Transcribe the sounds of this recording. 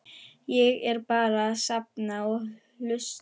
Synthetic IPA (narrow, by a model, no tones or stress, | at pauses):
jɛɣɛɾpaːɾaðsap̚naɔɣ | lʏs